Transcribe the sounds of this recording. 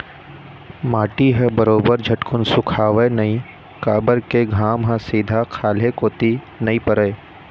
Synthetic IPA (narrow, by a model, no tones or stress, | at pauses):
maːʈiɦɛbəɾoːbəɾd͡ʒʱɐʈkʰʊnsʊkʰaːʋenɐĩ | kaːbəɾkeɡʱaːmɦãsiːd̪ʱakʰaːlekoːt̪i | nɐĩpəɾəː